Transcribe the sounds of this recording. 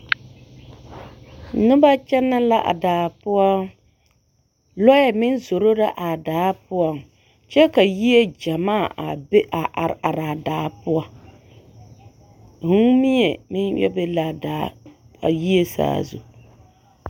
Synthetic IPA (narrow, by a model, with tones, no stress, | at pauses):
nʊ˦ba˦t͡ʃɛ˦nːa˦la˦ʔa̰˨daː˨pʊ˦a˦ | lɔ˦jɛ˨mɪ˦nzo˨ɾo˦ɾa˦ʔa˨daː˨˦pʊ˦ɔ˨ŋ | t͡ʃɛ˦ka˨ji˦e˦d͡ʒa˨maː˦˨ʔa̰˨be˦ʔa˨ʔa˨ɾa˨ɾa˨daː˨˦pʊ˦a˦ | hu˦ŋmi˦ɲɛ˨mɪ˦njɛ̰˦be˦la˨daː˨˦ | a̰˨ji˦e˦sa̰ː˨zṵ˨